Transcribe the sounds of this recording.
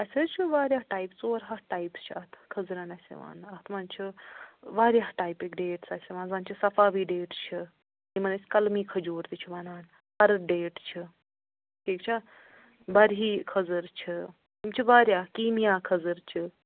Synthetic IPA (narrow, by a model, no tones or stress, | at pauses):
ɐset͡ʃʰiʋaːɾʲjaːɦʈaːjpt͡soːɾɦaʈaːjpst͡ʃʰiɐt̪ʰkʰɐzɾaːnɐsʲḛʋa̰ːnɐt̪ʰmɐnt͡ʃʰiʋaːɾʲjaːɦʈaːjpeːkɖeːʈsɐsʲeʋãːnzaːnt͡ʃʰisɐfaːʋiːɖeːʈt͡ʃʰi | kimɐnet͡skɐlmiːkʰɐd͡ʒuːɾt̪it͡ʃʰiʋɐnaːn | pɐɾɐɖeːʈt͡ʃʰi | kiːkt͡ʃʰa | bɐɾɦiːkʰɐzəɾt͡ʃʰi | t̪imt͡ʃʰiʋaːɾjaːkiːmijaːkʰɐzəɾt͡ʃʰi